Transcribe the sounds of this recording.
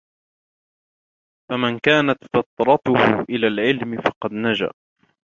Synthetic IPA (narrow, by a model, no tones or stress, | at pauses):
famankaːnat̪fat̪ɾˤɑt̪ʊhʊ̰ʔɪlaːlʕɪlmɪfɑqɑd̪nad͡ʒa̰ʔ